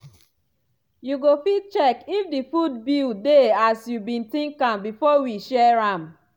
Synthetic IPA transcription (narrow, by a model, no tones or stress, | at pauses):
juɡofit̚t͡ʃɛkifdifudbildeasjubĩntĩŋkãmbifɔwiʃɛɹãm